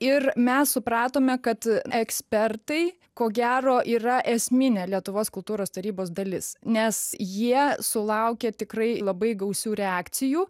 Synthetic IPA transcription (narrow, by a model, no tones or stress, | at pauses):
ɪrmʲɛssʊpɾɑːt̪oːmʲɛkɐt̪ɛksʲpʲɛrt̪ɐɪ | koːɡʲæːɾoːʔiːrɐʔɛsʲmʲɪnʲeːlʲiɛt̪ʊʋoːskʊlˠt̪uːɾoːst̪ɐɾʲiːboːsd̪ɐlʲɪsnʲɛsjiɛsʊlˠɐʊkʲɛt̪ʲɪkɾɐɪlˠɐbɐɪɡɐʊsʲuːɾʲɛɑːk̪sʲɪjuː